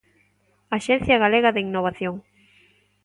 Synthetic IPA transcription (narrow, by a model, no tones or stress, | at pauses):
aʃen̟θjaɣ̞aleɣaðeiŋnoβ̞aθjoŋ